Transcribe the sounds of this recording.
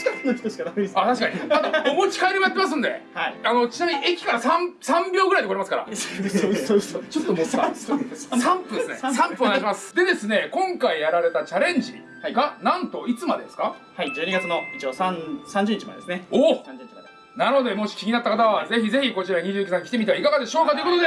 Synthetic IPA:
kakɯnokʲi̥t̪oɕi̥kanameesat̪aɕi̥kaɲ̟iat̪oomot͡ɕi̥kaiɾimojat̪ːemas̬ɨ̃nd̪e̞̰aano̞t͡ɕinamʲiɲiekʲi̥kaɾasãmsãmbʲjo̞ːɡɯ̟ɾaid̪koɾemasɨ̥kaɾa̰ | oot͡ɕo̞t̪ːomoosãmpɯd̪sɨne̞sãmpɯonaɕimasɨ̥d̪e̞d̪e̞sɨne̞kõ̞ŋkaijaɾaɾe̞t̪at͡ɕaɾẽ̞ɲ̟d͡ʑiḭ | aɡanãnt̪o̞it͡sɨmad̪e̞d̪e̞sɨ̥kahaid͡ʑɨːɲiɡat͡sɨnoit͡ɕiosãsãɲd͡ʑɨɲit͡ɕima̰ded̪esɨneoɲɲimad̪e | nano̞d̪e̞mo̞ɕi̥kʲiɲ̟inat̪ːakat̪aβaze̞çize̞çʲiko̞t͡ɕiɾaɲ̟iʑɨːikisãŋ̃kʲi̥t̪emʲit̪eaikaɡad̪e̞ɕo̞ːkat̪oiɯkot̪od̪e

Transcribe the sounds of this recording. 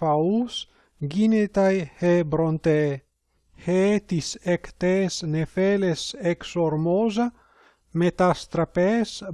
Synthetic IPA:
aus | ɡinet̪ajhebɾont̪e | heet̪isekt̪esnefeleseksoɾmoza | met̪ast̪ɾapes

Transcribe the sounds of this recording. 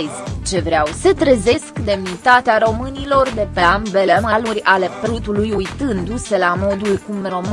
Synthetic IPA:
zʲt͡ʃe̞vɾeawsət̪ɾəze̞skd̪e̞mnit̪at̪eaɾo̞mɨnilo̞rd̪e̞peambelemalurʲale̞pɾut̪ulujujt̪ɨnd̪use̞lamo̞d̪ulkumro̞m

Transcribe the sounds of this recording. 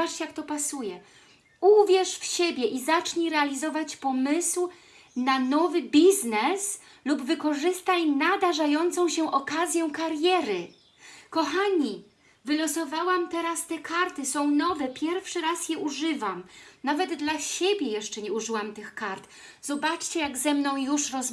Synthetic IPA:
aʂt͡ɕjak̚t̪ɔpasujɛ | uvʲjɛʂfɕebʲjɛʔizat͡ʂɲiɾɛalʲizɔvat͡ɕpɔmɘsw | nanɔvɘbʲiznɛs | lubvɘkɔʐɘst̪ajnad̪aʐajɔnt̪sɔ̃w̃ɕɛʔɔkazʲjɛw̃kaɾjɛɾɘ | kɔxaɲi | vɘlɔsɔvawamt̪ɛɾast̪ɛkaɾt̪ɘsɔ̃w̃nɔvɛpʲjɛɾfʂɘɾasjɛʔuʐɘvamnavɛd̪ːlaɕebʲjɛjɛʂt͡ʂɛɲɛuʐɘwamt̪ɘxkaɾt̪ | zɔbat͡ʂt͡ɕɛjaɡzɛmnɔ̃w̃juʂɾɔz

